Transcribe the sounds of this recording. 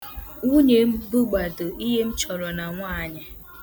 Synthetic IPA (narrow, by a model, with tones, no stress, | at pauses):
u˦ɲe˨m̩˦bu˦ɡ͡ba˨to˨ʔi˦ɦe˦m̩˦t͡ʃɔ˨ɾɔ˨na˨ŋʷaː˦˨ɲɪ˨